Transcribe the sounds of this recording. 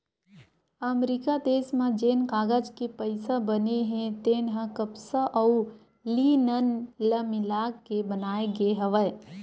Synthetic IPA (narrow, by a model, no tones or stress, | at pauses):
əmɾikad̪eːsmãd͡ʒeːnkaːɡəd͡ʒkipəɪsabəneɦẽt̪eːnɦə̃kəpsaʔəu | linənləmɪlaːɡkebənaːeɡeɦəʋəj